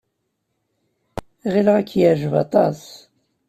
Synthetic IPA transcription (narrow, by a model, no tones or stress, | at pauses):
ʁilʁækːjæʕʒəvɑ̰t̪ˤɑs